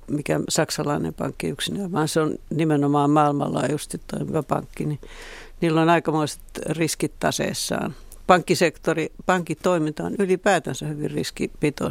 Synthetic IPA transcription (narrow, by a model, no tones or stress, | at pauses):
mikæsɑksɑlɑinḛmpɑ̰ŋkːiyksinææʋɑːnseonnimenomɑːmɑːilmɑ̰lːɑ̰ːjust̪it̪t̪o̰imiʋæpɑ̰ŋkːini | niːlːonɑikɑmoiset̪riskit̪tɑ̰sḛisːɑ̰ːn | pɑŋkːisekt̪oripɑŋkitt̪oimint̪ɑonylipæːt̪ænsæhyʋḭrḭskipit̪o̰